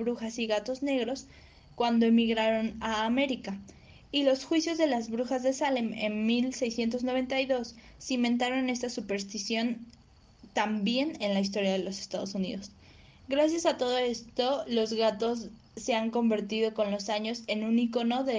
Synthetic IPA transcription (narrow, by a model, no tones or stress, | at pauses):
βɾuxasiɣat̪o̞zne̞ɣɾo̞s | kwand̪oemiɣɾaɾo̞naːme̞ɾika | ilo̞sxwisjo̞zðe̞lazβɾuxazðe̞salemḛnmilse̞jsje̞nt̪̬o̞zno̞βe̞nt̪ajðo̞sː | imẽ̞nt̪̬aɾo̞ne̞st̪asupe̞ɾs̬t̪isjo̞n | t̪ambje̞ne̞nlais̬t̪o̞ɾjaðelo̞sest̪aðo̞sunḭðo̞s | ɡɾas̬jasat̪o̞ð̞o̞est̪o̞lo̞zɣat̪o̞sː | e̞aŋko̞mbe̞ɾt̪ið̞o̞ko̞nlo̞saɲo̞se̞nũniko̞no̞ðe